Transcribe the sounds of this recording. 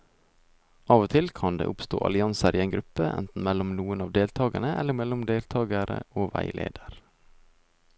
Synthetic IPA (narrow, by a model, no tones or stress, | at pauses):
ʔɑːʋot̪ʰɪlkʰɑnd̪ḛːʔʊpst̪o̰ːʔɑ̰lɪɑnsəɾiːeɪŋɡɾʉpəʔɛ̰nt̪n̩mɛlɔmnuːənɑːʋd̪eːlt̪ʰɑːɡənəʔɛ̰lːəmɛlʊmd̪eːlt̪ʰɑːɡəɾə̰oːʋæɪlḛːd̪əɾ